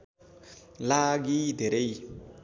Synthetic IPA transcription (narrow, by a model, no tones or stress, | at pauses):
laɡideɾei